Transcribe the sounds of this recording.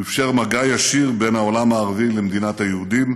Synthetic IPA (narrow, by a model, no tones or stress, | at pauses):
ifʃeʁmaɡajaʃiʁbe̞naolamaːʁavilemd̪inat̪hajeud̪im